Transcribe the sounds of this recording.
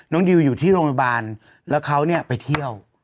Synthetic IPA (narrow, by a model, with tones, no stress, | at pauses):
nɔ˦˥ŋdi˧wjuː˨˩t̪ʰiː˥˩ɾoː˧ŋt̪ʰa˧baː˧n | lɛː˦˥wkʰa˦˥wni˥˩ɐpa˧jt̪ʰi˥˩əw